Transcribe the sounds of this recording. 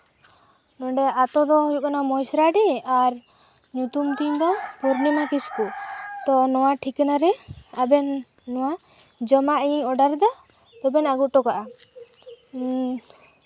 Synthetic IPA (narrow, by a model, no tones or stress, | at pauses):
nɔɖɛat̪ɔd̪ɔɦujuʔkɔnamɔjsɾaɖɛaɾ | ɲut̪umt̪iɲd̪ɔpɔɾnimakiskut̪ɔnɔwaʈʰiknaɾɛabɛnː | ɔwa | d͡ʒɔmaʔiɲɔɖaɾd̪ɔ | t̪ɔbɛnaɡuʈɔkaʔa